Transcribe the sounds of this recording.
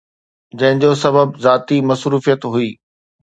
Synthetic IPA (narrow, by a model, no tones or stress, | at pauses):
d͡ʑɐ̃ɦɪ̃ɲd͡ʑoːsɐbəbzaːt̪imɐsɾuːfijət̪ɦuiː